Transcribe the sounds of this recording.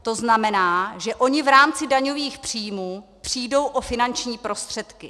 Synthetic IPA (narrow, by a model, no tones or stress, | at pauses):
t̪o̞znamɛnaːʒɛʔo̞ɲɪvɾaːmt͡sɪdaɲo̞viːxpr̝̥iːjmuːpr̝̥iːdo̞wʔo̞fɪnant͡ʃɲiːpɾo̞st̪r̝̥ɛt̪kɪ